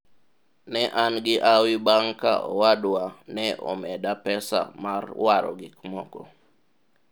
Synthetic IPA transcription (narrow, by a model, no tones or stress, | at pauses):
nɛʔanɡɪʔawibaŋka̰ʔɔ̰wadwanɛʔɔ̰mɛdapɛsa̰marwaɾɔ̰ɡɪkmɔkɔ